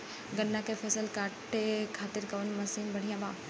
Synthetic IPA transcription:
ɡɐnːãkefʰɛːsəlkaːʈekʰaːt̪ɪɾkɐʋənmɐsiːnbɐɽ̤ijãːbaː

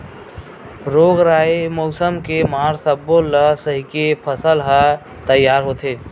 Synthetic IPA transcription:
ɾoɡɾaemosəmkemaɾsəbːoləsəɦikepʰəsəlɦə | t̪əjːaːɾɦot̪eː

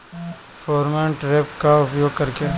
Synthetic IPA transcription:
fɔːɾmẽɳʈɾeːpkaʊpjoːɡ̚kɐɾke

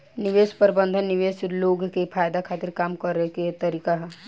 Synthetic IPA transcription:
nɪʋeːspəɾbə̃nd̪ʱənːɪʋeːsloːɡkepʰaːjd̪akʰaːt̪ɪɾkaːmkəɾɦket̪əɾiːkaɦɛ

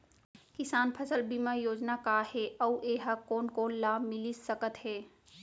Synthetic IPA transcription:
kɪsaːnpʰəsəlbʱimə̃joːd͡ʒnakaːheʔɔuʔeːɦəkoːnkoːnlaːbmɪlisəkət̪ɦɛː

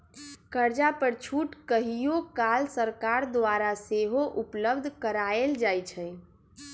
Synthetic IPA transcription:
kəɾd͡ʒapəɾt͡ʃʰuʈkəɦijokalsəɾkaɾd̪waɾaseɦoʔupləbd̪ʱkəɾaeld͡ʒajt͡ʃʰəj

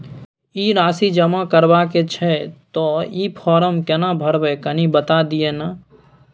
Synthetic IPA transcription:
iɾaːsid͡ʒəmakəɾbaket͡ʃʰɛt̪ɔipʰɔːɾəmkɛnabʱəɾbɛkənibət̪ad̪iena

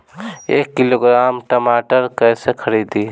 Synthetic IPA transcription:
eːkːiloːɡɾaːmʈəmaːʈəɾkəɪsekʰəɾiːd̪iː

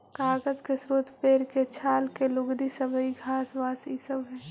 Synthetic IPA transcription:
kaːɡəzkesɾuːt̪ʰpeːɾket͡ʃʰaːlkelʊɡd̪isəbʱəiɡʱaːsʋaːsisəbɦɛː

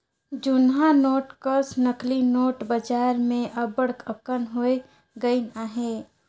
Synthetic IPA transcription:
d͡ʒʊnɦanoːʈkəɾsnəklinoːʈbəd͡ʒaːɾmẽʔəbəɽkəkənɦoe | ɡəinaɦeː

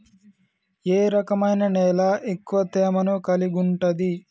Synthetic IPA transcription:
eːɾɐkɐmɐjnɐnɛːlaʔekːuʋɐt̪ɛːmɐnukɐliɡuɳʈɐd̪i

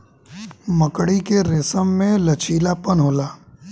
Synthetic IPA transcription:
məkɽikeɾɪsəmːẽlɐt͡ʃʰiːlapənɦoːlaː

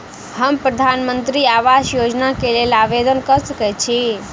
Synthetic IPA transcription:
həmpɾəd̪ʱanmənt̪ɾiaʋasjod͡ʒnakelelaʋed̪ənkəsəkɛt͡ʃʰi

